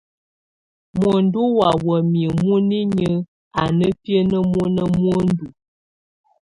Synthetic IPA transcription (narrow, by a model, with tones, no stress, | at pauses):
mwə˨n˦du˦wa˨wə˨miə˨mu˦ni˦ɲə˦ | a˨nə˦pjə˦nə˦mu˦nə˦mwo˦n˦du˨